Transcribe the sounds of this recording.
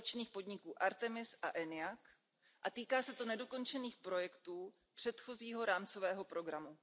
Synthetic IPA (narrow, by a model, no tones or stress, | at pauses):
t͡ʃniːxpo̞dɲɪkuːʔaɾt̪ɛmɪsʔaʔɛnɪjak | ʔat̪iːkaːsɛt̪onɛdo̞ko̞nt͡ʃɛniːxpɾo̞jɛkt̪uː | pr̝̥ɛt̪xo̞ziːɦo̞ɾaːmt͡so̞vɛːɦo̞pɾo̞ɡɾamu